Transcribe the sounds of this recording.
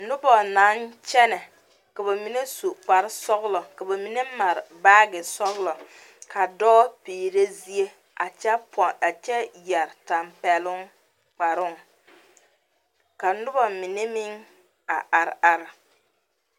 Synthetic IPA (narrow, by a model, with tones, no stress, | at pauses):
nʊ˦bɔ˨na˨˦nt͡ʃɛ˦nɛ˨ | ka˨ba˨mi˨ne˦su˨k͡pa˨ɾɪ˦sɔ˦ɣlɔ˨ka˨ba˨mi˨ne˦ma˨ɾɪ˨baː˦ɡɪ˨sɔ˦ɣlɔ˨ | kʰa˨dɔː˦piː˨ɾe˦zi˦e˦ | a̰˨t͡ʃɛ˦pɔ˨a˨t͡ʃɛ˦jɛ˨ɾta˨mpɛ˨lʊ˦ŋ | k͡pa˨ɾʊ˦ŋ | ka˨nʊ˦bɔ˨mi˨ne˦mɪ˦ŋ | a̰˨ʔa˨ɾa˦ɾɪ˨